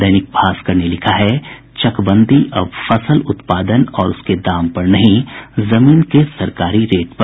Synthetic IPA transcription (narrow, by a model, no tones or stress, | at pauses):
d̪ɐjnɪk̚bʱaːskɐɾnelɪkʰaɦɛ | t͡ʃɐkbə̃nd̪iʔɐbfɐsəlʊt̪paːd̪ənɔːɾʊsked̪aːmpɐɾnɐɦĩzɐmiːnkesɐɾkaːɾiɾeːʈ̚pɐ